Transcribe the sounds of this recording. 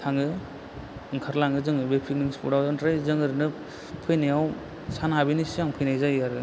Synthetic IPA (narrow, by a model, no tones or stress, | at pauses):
tʰaŋɯ | kʰaɾlaŋɡɯzɯŋɯbepʰik̚niŋspʰṵɽawzɯntɾajzɯŋɯɾɯnɯ | pʰɯjnajaw | sanabinisiaŋpʰɯjnajzajaɾɯ